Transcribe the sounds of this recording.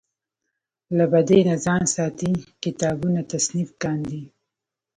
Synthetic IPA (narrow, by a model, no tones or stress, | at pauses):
labad̪enazɑnsɑːt̪ikɪt̪ɑbunat̪asnifkɑnd̪i